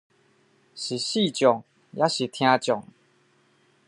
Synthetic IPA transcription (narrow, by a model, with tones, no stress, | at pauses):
ɕi˨˩ɕi˥˧˨t͡ɕjɔ˨˩ŋ | jʔa˦ɕi˨˩t̪ʰj̃ã˧t͡ɕjɔ˨˩ŋ